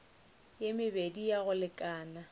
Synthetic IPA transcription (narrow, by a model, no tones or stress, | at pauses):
jemɪbedijaɣʊlɪkʼaːna